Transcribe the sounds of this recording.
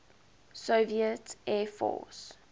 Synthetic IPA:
soːviətɛːfɔ̰ːs

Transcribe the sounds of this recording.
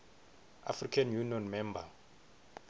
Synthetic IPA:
a̰frikʰanjuniɔnmɛmba

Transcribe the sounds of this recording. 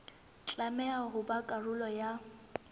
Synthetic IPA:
t͡ɬʼamɛaɣʊbakʼarʊlɔja

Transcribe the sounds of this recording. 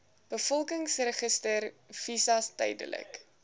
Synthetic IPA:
b̥əfɔlˠkəŋsrəχəstərv̥isɐstɛ̰jdə̰lə̰k

